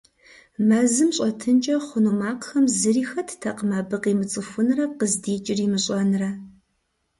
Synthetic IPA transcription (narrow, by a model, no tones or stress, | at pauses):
mɐzɨmɕʼɐtʰɨnt͡ʃʼɐχʷʊnumaːqxɐmzɨriːxɐtʰtʰɐqəmaːbɨqiːmɨt͡sʼɨfʷʊnrɐqəzdiːt͡ʃʼɪrimɨɕʼɐnɨrɐ